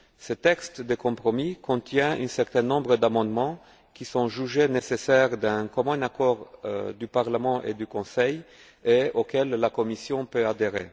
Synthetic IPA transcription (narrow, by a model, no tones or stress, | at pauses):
sət̪ɛkst̪d̪əkɔ̃pχɔmikɔ̃t̪jɛ̃ỹ̰nsɛʁt̪ɛ̃nɔ̃bʁəd̪amɑ̃d̪mɑ̃ | kisɔ̃ʒyʒenesesɛʁd̪ɛ̃kɔmɔ̃nakɔʁd̪ypaʁləmɑ̃ʔḛd̪ykɔ̃sɛj | eokɛlːakɔmisjɔ̃pøad̪eʁḛ